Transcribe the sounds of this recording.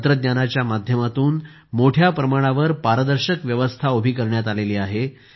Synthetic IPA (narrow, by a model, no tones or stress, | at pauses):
t̪ɾəd̪ɲanat͡ɕjamad̪ʱjəmat̪uːn | moʈʰjapɾəmaɽ̃aʋəɾpaɾəd̪əɾɕəkʋjəʋəst̪ʰaobʱiːkəɾɳjat̪aleliːaɦe